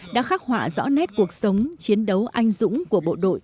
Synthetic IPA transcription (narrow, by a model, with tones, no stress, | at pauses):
ɗa̰ː˧˥xaː˦˥k̚hwa̰ː˧˨zɔ̰˧˥nɛ˦˥t̚ku˨˩ək̚sə˨˦wŋ͡mt͡ɕi˨˦ənɗə˨˦wʔa˧jŋ̟zʊ̰˧˥ŋ͡mku˧˩əɓo̰˧˨ɗo̰˧˨j